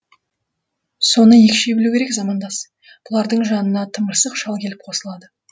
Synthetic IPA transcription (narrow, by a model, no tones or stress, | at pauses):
so̞nəjekʲʃe̞bɪlukʲe̞ɾekzɑmɑnd̪ɑs | b̥ʊlˠɑɾd̪əɴʒɑnənɑt̪ʰəməɾsəqʃɑlˠkʲʰe̞lɪp̚qʰo̞səlˠɑd̪ə